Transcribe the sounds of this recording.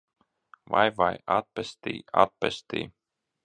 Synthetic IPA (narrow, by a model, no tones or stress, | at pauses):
vajvajat̪̚pɛst̪ḭːa̰t̪̚pɛst̪ḭː